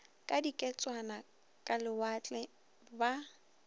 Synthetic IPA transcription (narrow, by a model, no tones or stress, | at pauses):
kʼadikʼɛt͡sʼwana | kʼalɪwat͡ɬʼɛ | ba